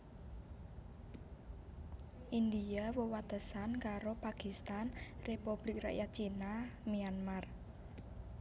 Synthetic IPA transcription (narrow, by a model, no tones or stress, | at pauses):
ʔind̪iawəwat̪əsankaɾopakist̪anrepub̥lɪk̚ra̰ʔjat͡ʃinamianmar